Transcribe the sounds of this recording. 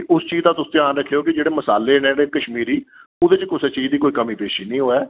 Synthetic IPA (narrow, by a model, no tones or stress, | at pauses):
ʊst͡ʃiːzd̪aːt̪ʊst̪jãːnɾəkʰːeːoːkɪd͡ʒeːɽeːməsaːleːneɽeːkəʃmiːɾiːʊd̪eːt͡ʃkʊsɛt͡ʃiːzd̪iːkoːiːkəmĩːpeːʃiːnĩːɦoːɛː